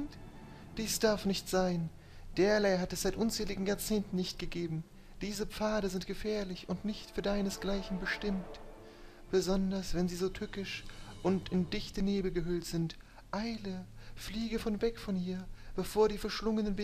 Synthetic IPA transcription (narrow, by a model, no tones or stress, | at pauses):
d̥iːsd̥aɐfnɪçtz̥aɪn | d̥eːɐlaɪɦatɛsz̥aɪtʔʊnt͡sɛːlɪɡŋ̩jaːɐt͡seːntn̩nɪçtɡ̥əɡeːbm̩ | d̥iːzəp͡faːɾəzɪntɡ̥əfɛːɐlɪçʊntnɪçtfyːɐdaɪnəsɡ̥laɪçn̩bəʃtɪmt | b̥əzɔndɐsv̥ɛnziːzoːtʰʏkɪʃʔʊntɪndɪçtəneːbl̩ɡəɦʏltz̥ɪnt | ʔaɪləfliːɡəfɔnvɛkfɔnhiːɐb̥əfoːɐɾiːfɛɐʃlʊŋənənb